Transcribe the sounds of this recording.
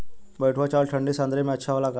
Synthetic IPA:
bəjʈʰʋat͡ɕalʈʰəɳɖisãnd̪ɾemiətːɕʰaʋalaka

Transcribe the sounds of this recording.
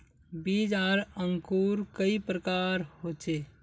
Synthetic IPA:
bid͡ʒaɾəŋkuɾkəipɾəkaɾhot͡ʃe

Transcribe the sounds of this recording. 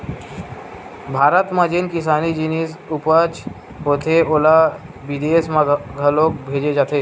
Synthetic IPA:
bʱaːɾət̪mãd͡ʒinkɪsaːnid͡ʒinisupət͡ʃʰ | ɦoːt̪ʰeoːla | bid̪esmãɡʱəlok̚bʱeːd͡ʒed͡ʒaːt̪ʰeː

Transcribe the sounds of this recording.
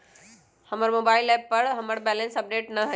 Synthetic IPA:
hɐməɾmoːbaːɪlɛːpːɐɾɦɐməɽbɛːlə̃nsɐp̚ɖeːʈnɐɦɐ

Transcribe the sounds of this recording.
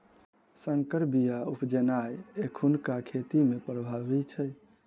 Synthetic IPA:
səŋkəɾbijaupd͡ʒenajekʰunkakʰet̪imepɾəbʱabit͡ʃʰə

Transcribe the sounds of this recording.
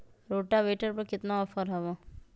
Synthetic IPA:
ɾoːʈaʋeːʈəɾpɐɾkɪt̪naɔfʰəɾɦɛʋo

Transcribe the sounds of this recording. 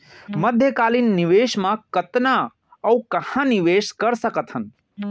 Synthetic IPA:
mɐd̪ʱjəkaːlinːiʋeːʃmãkɐt̪na | ɐukɐhãniʋeːʃkɐɾsəkət̪ʰhən

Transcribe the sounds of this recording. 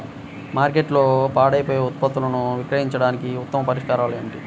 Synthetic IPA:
maːɾk̬e̞ʈloːpaːɽɐjpoːjeut̪̚pɐt̪ːulɐnuʋikɾɐɦiɲt͡ʃɐɽaːnikiut̪ːɐmɐpɐɾiʂkaːɾaːluemiʈi

